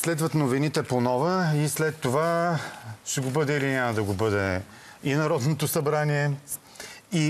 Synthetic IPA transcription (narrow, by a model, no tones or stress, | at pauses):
slɛd̪vət̪novinit̪ɛponɔvəislɛt̪ːova | ʃɛɡobɤd̪ɛilinʲaməd̪ɐɡobɤd̪ɛ | inɐɾɔd̪not̪osɐbɾaniɛ | i